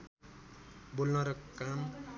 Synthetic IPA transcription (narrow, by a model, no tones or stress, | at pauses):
bulnʌɾʌkam